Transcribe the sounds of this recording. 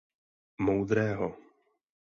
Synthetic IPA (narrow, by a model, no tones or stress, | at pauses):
mowd̪ɾɛːɦɔ